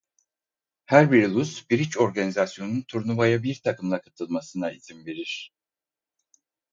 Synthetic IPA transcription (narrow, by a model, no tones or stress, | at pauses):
hæɾbiɾlˠusbiɾit͡ʃo̞ɾɡanizasjo̞nunt̪ʰuɾnuvajabiɾt̪ʰakɯmlˠakʰat̪ʰɯlˠmasɯnaiz̥imve̞ɾiɾ̝̥